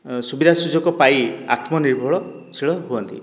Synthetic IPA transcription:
subid̪ʱasud͡ʒʱɔkɔpaia̰t̪mɔniɾbʱɔɭɔ | siɭɔɦuɔnt̪ḭ

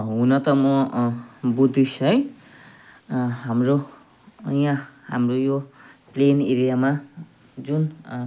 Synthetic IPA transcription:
ɦunʌt̪ʌmʌ | bud̪ʱisʌj | ɦamro | jãha̰mrojopleneɾijama | d͡zun

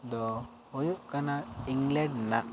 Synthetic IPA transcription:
d̪ɔ | ɔjuʔkanaiŋlɛnːa̰ʔ

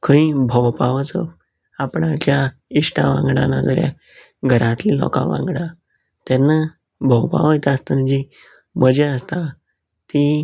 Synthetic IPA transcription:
kʰəĩbʱəwpaʋət͡səf | apɳat͡ɕja | iʂʈaʋã̰ŋɡɽa̰nad͡zəɾja̰ | ɡʱəɾãt̪lilɔ̰ka̰ʋã̰ŋɡɽa | t̪ɛnːa | bʱəwpa̰ʋət̪ast̪ənd͡ʑi | məd͡ʑeəst̪a | t̪i

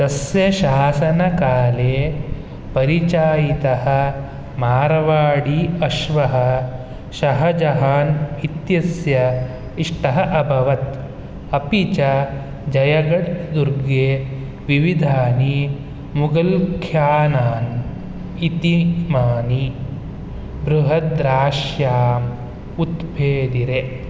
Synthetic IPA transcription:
t̪ɐsjɐʃaːsɐnɐkaːleː | pɐɾit͡ʃaːjit̪ɐɦɐ̆ | maːɾɐʋaːɽiɐʃʋɐɦɐ | ʃɐɦɐd͡ʒɐɦaːnit̪jɐsjɐ | iʂʈɐɦɐʔɐbʱɐʋɐt̪ | ɐpit͡ʃa | d͡ʒɐjɐɡɐɽd̪uɾɡeː | ʋiʋid̪ʱaːni | muɡɐlkʰjaːnaːn | it̪imaːni | bɾuɦɐd̪ɾaːʃjaːm | ut̪bʱeːd̪iɾe

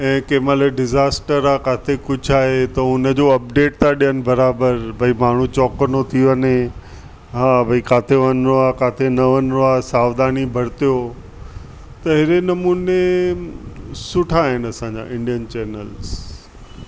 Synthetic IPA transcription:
ɛ̃ːkeːmaleɖɪzaːsʈəɾakaːt̪ʰekʊd͡ʑʱaːɦet̪ɐʊnə̆d͡ʑoːɐp̚ɖeːʈ̚t̪ʰaɗijənɪ̆bɐɾaːbəɾbʱɐimaːɳ̤ũt͡ɕɔːkənot̪ʰiʋəne | ɦaːbʱɐikaːt̪ʰeʋɐnɾoakaːt̪ʰenɐʋɐnɾoaːsaːʋd̪aːnibʱɐɾt̪ijo | t̪ɐɦɪɾenɐmuːne | sʊʈʰaːɦɪnɐsãːɲd͡ʑa̰ːʔɪ̃ɳɖijənt͡ɕɛːnəls

